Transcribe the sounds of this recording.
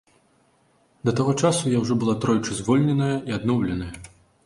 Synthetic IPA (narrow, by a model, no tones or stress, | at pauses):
d̪ɐt̪aɣɔt͡ʂasujawʐɔbɨlˠat̪ɾɔjt͡ʂɨzvɔlʲnʲɛnɐjɐiad̪nɔwlʲɛnɐjɐ